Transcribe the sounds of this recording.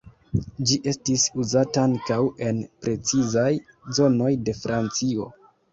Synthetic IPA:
d͡ʒiʔe̞stisuzataaŋkawe̞npɾe̞t͡sizaj | zo̞no̞jde̞fɾʔant͡sio̞̰

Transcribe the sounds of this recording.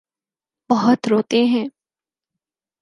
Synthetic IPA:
bɐɦʊt̪ɾoːt̪eɦɛ̃ː

